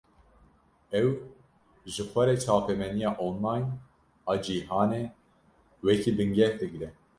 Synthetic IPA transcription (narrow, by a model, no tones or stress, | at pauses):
ɛw | ʒɨxʷɛɾet͡ʃʰaːpɛmɛnijɑːʔoːnlajn | ɑd͡ʒiːɦɑːne | wɛkʰiːbɨŋɡɛhd̪ɨɡɾɛ